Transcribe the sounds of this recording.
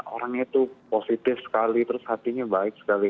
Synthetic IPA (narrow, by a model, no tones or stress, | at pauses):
o̰ɾaŋit̪uposit̪ɪfsə̥kalit̪əɾʊshat̪iɲabaɪk̚sə̥kali